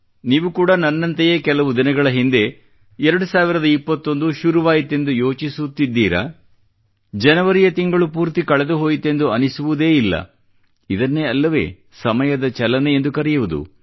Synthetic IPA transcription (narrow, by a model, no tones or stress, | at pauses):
niːʋukuːɽɐnɐnːɐnt̪ejeːkɛlɐʋud̪inɐɡɐɭɐɦind̪e̞ | ɛɾɐɽusaːʋiɾɐd̪ɐipːɐt̪ːo̞nd̪uʃuɾuʋaːjit̪ːe̞nd̪ujo̞ːt͡ʃisut̪ːid̪ːiːɾɐ̰ | d͡ʒɛnɐʋɐɾijɐt̪iŋɡɐɭupuːɾt̪ikɐɭɛd̪uɦo̞ːjit̪ːe̞nd̪uɐnisuʋud̪e̞ːilːɐ̰ | id̪ɐnːeːɐlːɐʋe̞̰ː | sɐmɐjɐd̪ɐt͡ʃɛlɐneend̪ukɐɾijɐʋud̪ṵ